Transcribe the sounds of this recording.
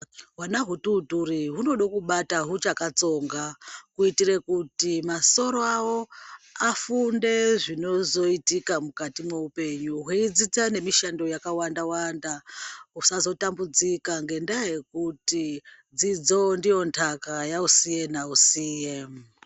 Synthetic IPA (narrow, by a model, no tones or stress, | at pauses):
wanaɦututuriɦuno̞ɗokuɓataɦut͡ʃakat͡so̞ŋɡakuitiɾekutimaso̞ɾoawo̞afunde̞ʐino̞zo̞itikamukatimeupe̞ɲuɦweid͡zit͡sane̞miʃando̞jakawandawandaɦusazo̞tambud͡zikaŋɡe̞ndaje̞kuti | d͡zid͡zo̞ndijo̞ntʰakajausije̞nausiːje